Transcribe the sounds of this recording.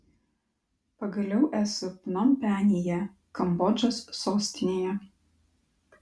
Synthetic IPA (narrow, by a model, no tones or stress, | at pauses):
pɐɡɐlʲɛʊʔæːsʊpʲnɔmpʲæːnʲeːjɛ | kɐmbɔd͡ʒʲosːoːsʲt̪ʲɪnʲeːjɛ